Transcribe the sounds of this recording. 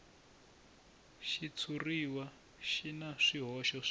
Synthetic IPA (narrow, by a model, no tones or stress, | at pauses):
ʃit͡sʰuriwa | ʃinaʂiɦɔʃɔ